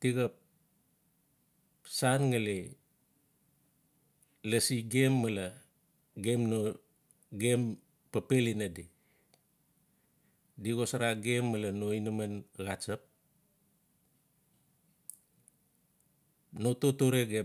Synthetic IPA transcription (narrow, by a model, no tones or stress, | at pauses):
tiɣap̚ | sanŋali | lasiɡe̞mːəla | ɡe̞mno | ɡem | pəpelinadi | diɣosaɾaɡe̞mːəlanoinəmanɡat͡ʃəp̚ | no̞totoɾeɡe